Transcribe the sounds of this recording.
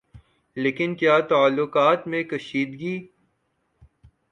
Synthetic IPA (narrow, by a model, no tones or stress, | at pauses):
leːkɪnkjaːt̪aːlːʊkaːt̪mẽkɐʃiːd̪ɡiː